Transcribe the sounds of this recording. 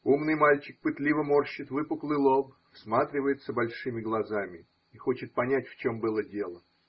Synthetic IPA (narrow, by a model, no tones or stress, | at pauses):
umnɨjmalʲt͡ɕɪk̚pɨt̪lʲivəmo̞rɕːɪt̪vɨpʊklˠɨjlˠoɡ | fsmat̪ɾʲɪvəjɪt̪səbɐlʲʂɨmʲɪɡlˠɐzamʲɪ | ixo̞t͡ɕɪt̪̚pɐnʲætʲft͡ɕo̞mbɨlˠədʲe̞lˠə